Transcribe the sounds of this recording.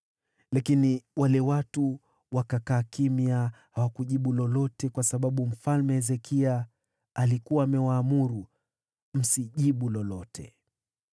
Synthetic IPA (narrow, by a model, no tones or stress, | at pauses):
lakiniwalɛwatu | wakakaːkimiahawakuʄiɓulɔlɔtɛkwasaɓaɓum̩falmɛɛzɛkʰia | alikuwaːmɛwaːmuɾu | m̩siʄiɓulɔlɔtʰɛ̰